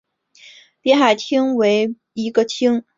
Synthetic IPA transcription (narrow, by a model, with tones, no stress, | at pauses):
pjɛ˧˥nxa˨˩ɪt̪ʰi˥ŋwe˧˥ɪ | i˧˥ɡə˧t̪ʰi˥ŋ